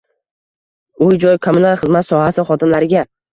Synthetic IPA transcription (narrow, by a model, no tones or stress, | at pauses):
ʊjd͡ʒɒjkʰomʊnaɾχɨzmat̪sɒhasɪχɒt̪ʰɪmlaɾɪɡʲa